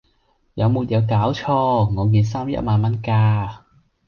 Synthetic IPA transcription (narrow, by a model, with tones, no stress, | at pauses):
jɐ˨˧wmuː˨˩t̚jɐ˨˧wkaː˨˥wt͡ʃʰɔː˧ŋɔː˨˧kiː˧ns̬aː˥mjɐ̰˥t̚maː˧nmɐ˥nkaː˧